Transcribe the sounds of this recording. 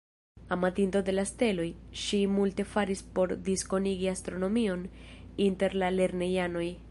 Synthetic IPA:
amatinto̞de̞laste̞lo̞jʃimulte̞faɾispo̞ɾdisko̞niɡiast̪ɾo̞no̞mio̞ninte̞ɾlale̞ɾne̞jano̞j

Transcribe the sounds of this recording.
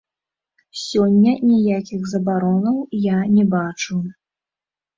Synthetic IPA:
sʲɔnʲːɐnʲijakʲiɣzɐbaɾɔnɐwjanʲɛbat͡ʂɨw

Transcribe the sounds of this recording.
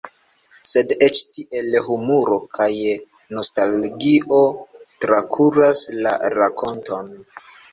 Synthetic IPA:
se̞de̞t͡ʃtiʔe̞lhumuɾo̞kʰaj | no̞stalɡiʔo̞tɾakʰuɾasla̰ɾakʰo̞nto̞n

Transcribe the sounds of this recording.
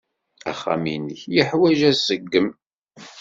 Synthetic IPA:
æ̰χːæ̰minəçjəħwæʒæsəɡːəm

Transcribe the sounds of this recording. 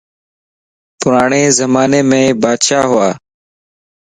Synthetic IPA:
pʊɾaːɳeːzəmaːneːmẽːbaːd̪ʃaːɦʊaː

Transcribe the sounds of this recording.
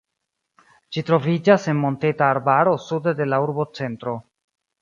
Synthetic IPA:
d͡ʒitɾo̞vid͡ʒase̞nmo̞ntetaːɾbaɾo̞sudde̞lauɾbo̞t͡se̞ntɾo̞

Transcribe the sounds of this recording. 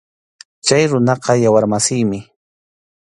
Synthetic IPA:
t͡ʃajɾʊnɑqɑjawaɾmasɪjmɪ

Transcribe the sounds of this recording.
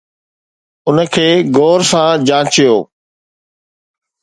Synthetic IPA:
ʊnəkʰeːɡoːɾsãd͡ʑãːt͡ɕijoː

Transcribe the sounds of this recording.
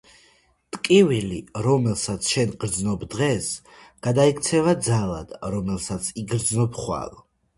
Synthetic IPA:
t̪ʼkʼiviliɾɔmɛlˠsat̪sʰʃɛnɡɾd̪znɔbd̪ʁɛs | ɡ̥ad̪aikʰt̪sʰɛvad̪zalˠa̰d̪̥ɾɔmɛlˠsat̪sʰiɡɾd̪znɔpʰχwa̰lˠ

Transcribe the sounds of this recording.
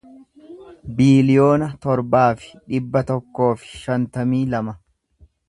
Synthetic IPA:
biːlɪjo̞ːnɐt̪ɔɾbaːfɪ̥ᶑɪbːɐt̪ɔkːo̞ːfɪ̥ʃɐnt̪ɐmiːlɐmɐ

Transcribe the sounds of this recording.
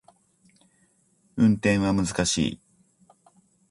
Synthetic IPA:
ɯ̟̃nt̪ẽ̞ɰ̃βamɯ̟zɨkaɕḭː

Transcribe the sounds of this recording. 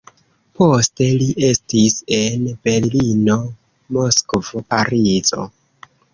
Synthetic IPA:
po̞ste̞liʔe̞stise̞nbe̞ɾlino̞ | mo̞skvo̞paɾizo̞̰

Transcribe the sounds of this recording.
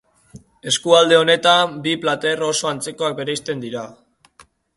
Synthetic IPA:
e̞skuald̪e̞o̞ne̞t̪ambiplat̪e̞ro̞so̞ant͡se̞ko̞ak̚be̞ɾeist̪e̞nd̪iɾa

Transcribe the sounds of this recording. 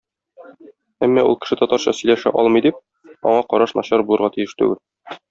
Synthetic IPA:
æmːɒʔṵlˠkɘ̥̆ʃɘt̪ɒt̪ɑɾɕɑsɵ̆jlæʃæ̰ʔɒlˠmɤ̆jd̪ip̚ | ɒ̰ɴɑqɒɾɑʃnɒɕɑɾbulˠɤɾʁɑt̪ijɘʃt̪ʉ̰ɡɘl

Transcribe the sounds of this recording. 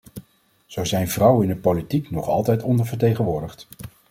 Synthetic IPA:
z̥owzɛjnvrʌwəɪndəpolitiknɔχɑ̰lˠtɛjtɔndəɹvəɹt̬ejχənʋʊːɹdəχt

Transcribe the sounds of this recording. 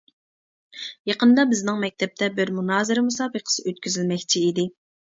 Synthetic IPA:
jɑqənd̪ɑbɪznɪŋmɛk̚ʲt̪ʰɛp̚t̪ʰɛbɪɾmunɑːzɨɾɪmusɑːbəqʰə̥sɨøt̪kʲyzɪlmɛkʲt͡ʃʰiid̪ɪ

